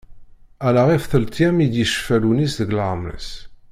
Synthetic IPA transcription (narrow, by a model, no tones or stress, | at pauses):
ælaʁifθəlt̪jæmid̪jiʃfælunisðəɡlaʁmɾə̰s